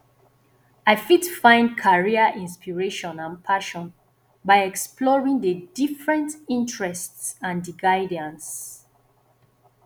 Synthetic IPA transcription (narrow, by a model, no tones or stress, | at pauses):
aɪfitfãɪ̃nd̚kʰaɹiəʔĩnspiɹeʃɔ̃nãnpʰaʃɔ̃n | baɪɛkspʰlɔɹĩŋdədifɹɛ̃ntĩntɹɛstsãndiɡaɪdə̃ns